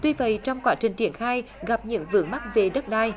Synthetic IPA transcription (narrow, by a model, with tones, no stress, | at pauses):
t̪wi˧və̰˧˨jt͡ɕɔ˧wŋ͡mkwaː˦˥t͡ɕï˨˩ŋ̟t͡ɕi˧˩ənxaː˧jɣa˨˩p̚ɲɨ̰˧˥ŋvɨ̰˧˥əŋma˦˥t̚ve˨˩ɗə˦˥t̚ɗaː˧j